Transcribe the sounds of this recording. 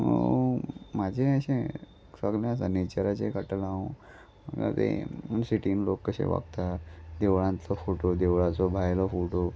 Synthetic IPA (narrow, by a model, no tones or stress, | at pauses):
mad͡ʑʱẽəɕẽ | səɡljãsənet͡ɕəɾat͡ɕekəʈəlaõ | mə̰ɡa̰t̪ḛnsiʈinlokːəɕḛʋa̰ɡt̪ad̪eʋɭãnt͡sɔfoʈod̪eʋɭãt͡sɔbʱajlɔfoʈo